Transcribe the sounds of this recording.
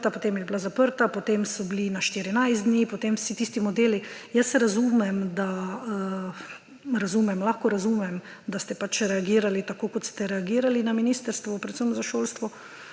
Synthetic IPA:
t̪apot̪emjɛblazapəɾt̪apot̪emsɔblinaʃt̪iɾinajzd̪niːpot̪emwsit̪ist̪imɔd̪eːlijəsɛɾazuːmɛmd̪aə | ɾazuːmɛmlaxkɔɾazuːmɛm | d̪ast̪ɛpat͡ʃɾɛaɡiːɾalit̪akoːkɔt̪st̪ɛɾɛaɡiːɾalinaminist̪əɾst̪ʋɔpɾɛt̪səwnɔzaʃoːlst̪ʋɔ

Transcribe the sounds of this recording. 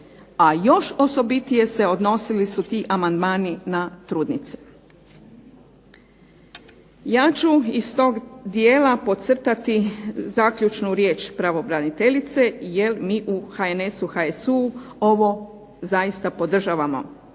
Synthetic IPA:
ajo̞ʃo̞so̞bit̪ije̞se̞o̞d̪no̞silisut̪iːʔamand̪maːninat̪ɾuːd̪nit̪se̥ | jaːt͡ʃuist̪o̞ːɡd̪jeːlapo̞t̪sr̩t̪at̪izaːkʎʲut͡ʃnuɾje̞ːt͡ʃpɾaʋo̞bɾanit̪e̞ʎit̪se̞je̞lmiːʔuxaene̞suxaesuo̞ʋo̞ | zaist̪apo̞d̪r̩ʒaːʋamo̞̰

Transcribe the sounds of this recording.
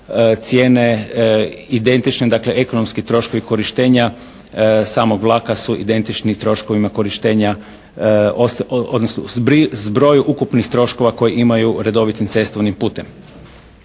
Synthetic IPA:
t̪sje̞ːne̞ | id̪e̞nt̪it͡ʃned̪akle̞ʔeko̞nomskit̪ɾo̞ʃko̞ʋiko̞ɾiʃt̪e̞ːɲa | saːmo̞ɡʋlˠaːkasuʔḭd̪e̞nt̪it͡ʃnit̪ɾo̞ʃko̞ʋimako̞ɾiʃt̪e̞ːɲa | osod̪nosno̰zbɾizbɾo̞ːjuʔukupnixt̪ɾo̞ʃko̞ʋakojiʔimajuɾe̞d̪o̞ʋit̪int̪se̞st̪oʋnimpuːt̪e̞m

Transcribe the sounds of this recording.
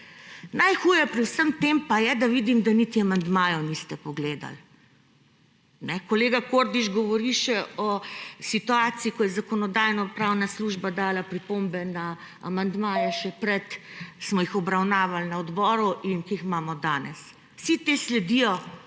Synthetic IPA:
najxuːjɛpɾiwsəmt̪empajɛd̪aʋid̪imd̪anit̪iamand̪maːjɔnist̪ɛpɔɡleːd̪a̰l | nɛkɔleːɡakoɾd̪iʃɡɔʋɔɾiʃɛɔsit̪uaːt̪siikɔjɛzakɔnɔd̪aːjnɔpɾaːwnasluːʒbad̪aːlapɾipombɛna | a̰mand̪maːjɛʃɛpɾɛt̪smɔjixɔbɾawnaːʋalnaɔd̪bɔːɾuʔinkiixmaːmɔd̪aːnɛs | sit̪eːslɛd̪ijɔ

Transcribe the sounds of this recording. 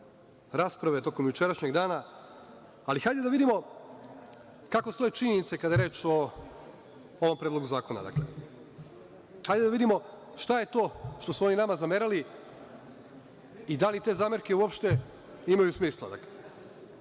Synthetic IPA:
ɾaspɾaʋe̞t̪o̞ko̞mjut͡ʃe̞ɾaʃɲe̞ɡd̪aːnaː | lixajd̪ed̪aʋid̪imo̞ | kako̞st̪o̞jet͡ʃiɲenit̪se̞kad̪ajeɾe̞ːt͡ʃo̞ | oʋo̞mpɾed̪loɡuzaːko̞na̰d̪a̰kle | xajd̪ed̪aʋid̪imo̞ | ʃt̪aje̞t̪o̞ːʃt̪o̞suo̞ninamazameɾali | id̪alit̪e̞ːzaːmeɾke̞uo̞pʃt̪e̞ | imajusmiːslˠa̰d̪a̰kle

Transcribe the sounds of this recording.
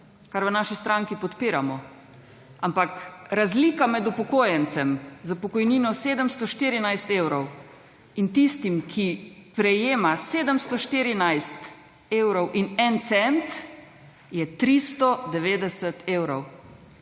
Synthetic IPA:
kaɾʋənaːʃist̪ɾaŋkipɔt̪piːɾamɔ | ampakɾazliːkamɛd̪upɔkoːjɛnt̪t͡ssɛmzapɔkɔjninɔseːd̪əmst̪ɔʃt̪iːɾinajst̪ewɾɔw | int̪ist̪imkʰipɾɛjeːmaseːd̪əmst̪ɔʃt̪iɾinajst̪ | eːwɾɔwʔinɛnt̪sɛnt̪ | jɛt̪ɾist̪ɔd̪ɛʋeːd̪ɛsət̪ʰeːwɾɔw

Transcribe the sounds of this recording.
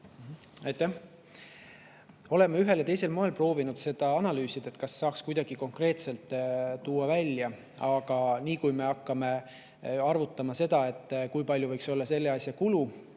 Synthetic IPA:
ɑjt̪ːæh | o̞le̞mːeyɦe̞ljɑt̪e̞jse̞lmo̞elpro̞ːvinud̪̥se̞d̪̥ɑɑnɑlyːsid̪̥et̪ːˑkɑsːɑːkskujd̪̥ɑɡ̥iko̞ŋkre̞ːt̪se̞lt̪ːˑt̪ːuːɑvælʲːjɑ | ɑɡ̥ɑniːkujme̞ɑkːɑme̞ | ɑrvut̪ːˑɑmɑse̞d̪̥ɑe̞t̪ːˑkujpɑlʲjuvɤjkso̞lːɑse̞lːe̞ɑsʲjɑkulu

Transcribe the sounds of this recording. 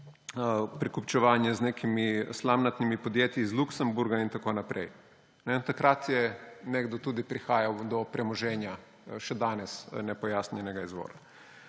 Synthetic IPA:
pɾikupt͡ʃɛʋaːnjɛzneːkʰimislamnat̪nimipod̪jeːt̪jizluksɛmbuɾɡaint̪akoːnapɾʔɛ̰j | nɛt̪akɾat̪jɛnɛɡd̪ɔt̪ud̪ipɾixaːjawd̪ɔpɾɛmɔʒɛːnja | ʃɛd̪aːnɛsnɛpɔjaːsnʲɛnɛɡaizʋɔ̰ːɾa

